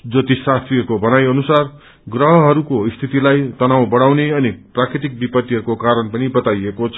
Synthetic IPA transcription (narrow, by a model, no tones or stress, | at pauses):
d͡zʌt̪isast̪ʰriɦʌɾukobʌnajʌnusar | ɡrʌɦʌɦʌɾukoist̪ʰit̪ilajt̪ʌnaw̃bʌɽawneʌniprakɾit̪ik̚bipʌt̪ːiɦʌɾukokaɾʌnpʌnibʌt̪ajekot͡sʰʌ